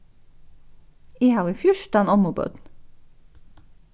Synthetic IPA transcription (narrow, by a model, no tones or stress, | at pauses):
iːhɑːʁiːfjʊʃt̪ɑnɔmubœ̰d̪n̩